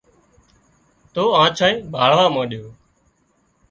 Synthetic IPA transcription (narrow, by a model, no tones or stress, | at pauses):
t̪oːãːt͡ʃʰãːĩːbʱaːɭʋaːmãːɗɪjoː